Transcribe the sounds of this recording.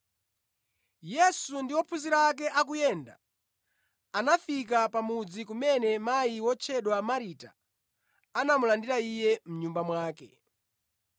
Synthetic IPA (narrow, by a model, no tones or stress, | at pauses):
jɛsundiwɔpʰuziɾak̬ɛʔak̬ujɛːnda̰ | anafik̬apamud͡zikumɛnɛmajiwɔt͡ʃʰɛɗwamaɾita | anamulandiɾaijɛm̩ɲumbamwaːkɛ